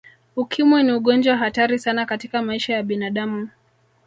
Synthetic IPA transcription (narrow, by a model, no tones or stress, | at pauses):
ukʰimwiniuɠɔnd͡ʒwawaɦataɾisanakatikamaiʃajaɓinaɗamu